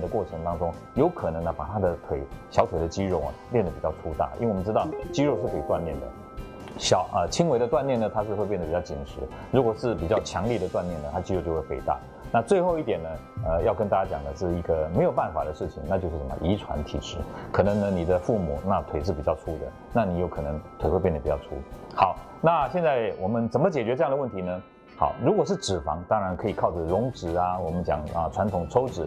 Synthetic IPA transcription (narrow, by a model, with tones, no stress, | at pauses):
d̪ə˩kwɔ˥˩ʈ͡ʂʰə˧˦ŋt̪ɑ˥ŋʈ͡ʂʊ˥ŋ | jo˧˥ʊkʰə˨˩nə˧˥ŋnə˧˩pa˨˩t̪ʰa˥d̪ə˨t̪ʰwe˨˩ɪɕjɑ˧˥ʊt̪ʰwe˨˩ɪd̪ə˩˦t͡ɕi˥ɻo˧˩ʊa̰˩ljɛ˥˩nd̪ə˩pi˨˩t͡ɕɑ˥˩t̪ʰu˥t̪a̰˥˩ḭ˥we˩wmə˧ʈ͡ʂɻ̩˥t̪ɑ˥˨ʊt͡ɕi˥ɻo˥˧ʊʂɻ̩˥˩ke˥˩˨t̪wa˥˧nmjɛ˥˩nd̪ə̰˩ | ɕɑ˨˦ʊʔə˧t͡ɕʰi˥ŋwe˧˥d̪ə˧t̪wa˥˧njɛ˥˩nə˩t̪ʰa˥ʂɻ̩˧xwe˥˧pjɛ˥˩nd̪ə˨pi˨˩t͡ɕɑ˥˩ʊt͡ɕi˨˩nʂʰɻ̩˧˥ | ɻu˧˥kwɔ˨˩ʂɻ̩˥˩pi˨˩t͡ɕjɑ˥˩ʊt͡ɕʰjɑ˧˥ŋlji˥˩d̪ə˩t̪wa˥˧njɛ˥˩nə˩a˥t͡ɕi˥ɻo˧t͡ɕjo˥˧we˥˩fḛ˧˥˩ɪt̪a̰˥˩ | na˥˧t͡swe˥˧ɪxo˥˧ʊi˥t̪jɛ˨˩nːə˦ə˧jɑ˥˩ʊkə˥nt̪a˥˧˩t͡ɕa˥˩t͡ɕjɑ˨˩ŋd̪ə˦ʂɻ̩˥˧i˧˥ɡə˧me˧˥ɪjo˨˩ʊpa˥˩nfa˨˩d̪ə˦ʂɻ̩˥˩t͡ɕʰḭ˨ŋna˥˧t͡ɕo˥ʊʂ̬̩˥˩ʂə˨˩mə̰˧˨ʔi˧˥ʈ͡ʂʰwa̰˧˥nt̪ʰḭ˨˩ʈ͡ʂʰɻ̩˧˥kʰɤ˨˩nə˧˥ŋnə˧ni˨˩d̪ə˦fu˥˩mṵ˨˩na˥˧t̪ʰwe˨ɪʂ̬ɻ̩˥˩pi˨˩t͡ɕjɑ˥˧ʊʈ͡ʂʰu˥d̪ə̰˨ | na˥˩ni˨˦jo˧˥ʊkʰɤ˨˩nɤ˧˦ŋt̪ʰwe˨˩ɪwe˥˧pjɛ˥˩nd̪ə˩pi˨˩t͡ɕjɑ˥˧ʊṵ˥˨ | xɑ˨˦ʊ | na˥˧ɕjɛ˥˧nt͡sa˥˩ɪwʔɔ˨˩mə˦nt͡sə˨˩nmə˦t͡ɕjɛ˨˩t͡ɕɥɛ˧˦ʈ͡ʂɤ˥jɑ˥˩ŋd̪ə˧wə˥˩nt̪ʰi˧˥nə˧ | xɑ̰˨˩ʊɻu˧˥kwɔ˨˩ʂɻ̩˥˩ʈ͡ʂɻ̩˨˩fɑ̰˧˥ŋt̪ɑ˥ŋɻa˧˥nkʰɤ˧˥i˨˩kʰɑ˥˩ʊʈ͡ʂə˩ɻʊ˧˥ŋʈ͡ʂɻ̩˨˩a˦wɔ˨˩mə˦nt͡ɕjɑ̰˨˩ŋə̰˧˩ʈ͡ʂʰwa˧˥nt̪ʰʊ˨˩ŋʈ͡ʂʰo˥ʊʈ͡ʂɻ̩˨˩˦